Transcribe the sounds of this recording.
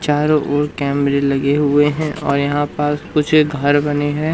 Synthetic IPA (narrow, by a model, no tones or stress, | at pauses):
t͡ʃaːɾõʔoːɾkɛːmɾelɐɡeɦʊeɦɛ̃ʔɔːɾjɐɦãpəɾkʊt͡ʃʰɡʱɐɾbɐneɦɛ̃ː